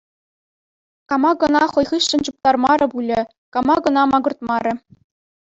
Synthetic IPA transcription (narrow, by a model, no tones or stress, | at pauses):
kɑmɑɡɤ̆nɑχɤ̆jʁɯɕːɘ̆nt͡ɕup̚t̪ɑrmɑɾʲɤ̆pulʲɘ̆ | kɑmɑɡɤ̆nɑmɑɡɤ̆rt̪mɑɾʲɘ̆